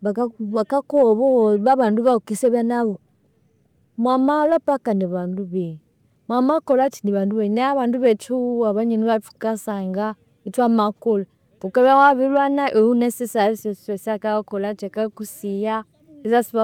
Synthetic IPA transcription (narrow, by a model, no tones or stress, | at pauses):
βaaβakakɔβɔβaβanduβaukisɛβanaβɔ | mwamalapakaniβanduβɛ | mwamakɔlat͡ʃiniβanduβɛnaaβanduβɛt͡ʃuwaβaɲɛniβatu̥kasaŋɡa | ituamakɔla | pukaβawaβilwanaʔɛunɛsɛsaɾisɛɛsiakaakɔlat͡ʃɛkakusija | izasiβa